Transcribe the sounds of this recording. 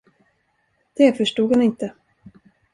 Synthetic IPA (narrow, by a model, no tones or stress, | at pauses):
d̪̥ɛfœʂʈuːɡhanɪnt̪ə